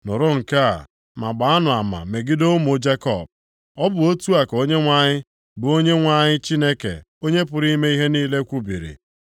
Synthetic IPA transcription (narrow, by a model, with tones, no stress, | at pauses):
nʊ˨ɾʊ˦ŋ̩˨ka˦˨ | ma˨ɡ͡ba˨a˦nʊ˨a˨ma̰˨me˨ɡɪ˦do˦mo˨˦d͡ʒe˦kɔ̰˨b̚ | ɔ˦bʊ˨o˦tu˦a˨ko˦ɲe˦ŋʷa˦ɲɪ˦ | bʊ˨o˦ɲe˦ŋʷa˦ɲɪ˦t͡ʃi˦ne˦kḛ˨ | o˦ɲe˦pʊ˨ɾi˦me˦i˦ɦe˦niː˦le˦kʷu˦bḭ˨ɾḭ˨